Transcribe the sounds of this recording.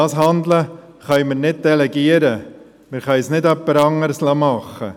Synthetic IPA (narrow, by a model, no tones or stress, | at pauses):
ɑːsɦɑnd̪lə | χœjməɾnɪd̚d̥ɛlɛɡiəɾə | mɪɾχœjsnɪdœpːəɾɑŋːəɾslɑmɑχːə̰